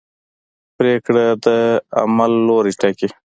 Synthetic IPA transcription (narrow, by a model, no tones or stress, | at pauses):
pɾeːkɽad̪əa̰malːoːɾiʈaki